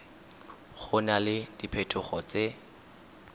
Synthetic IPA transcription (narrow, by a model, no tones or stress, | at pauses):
χʊnalɪd̥ipʰɛtʼʊχɔt͡se